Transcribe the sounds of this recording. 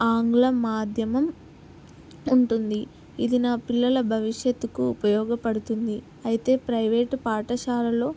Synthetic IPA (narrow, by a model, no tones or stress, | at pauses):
aːŋɡlɐmaːd̪ʱjɐmɐm | uɳʈund̪i | id̪inaːpilːɐlɐbʱɐʋiʂjɐt̪ːukuːpɐjɔːɡɐpɐɽut̪und̪i | ɐjit̪e̞ːpɾɐjʋe̞ːʈpaːʈɐʃaːlɐlo̞ː